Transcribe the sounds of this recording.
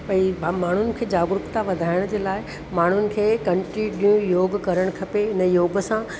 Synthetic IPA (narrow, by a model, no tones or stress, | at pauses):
pɐ̃ibʱamaːɳ̤ʊnɪ̆kʰeːd͡ʑaːɡɾʊkt̪aʋɐd̪ʱaːɪɽ̃d͡ʑeːlaːɪ | maːɳ̤ʊnɪ̆kʰeːkɐ̃ɳʈinijũjoːɡkɐɾəɽ̃kʰɐpeɪnəjoːɡəsã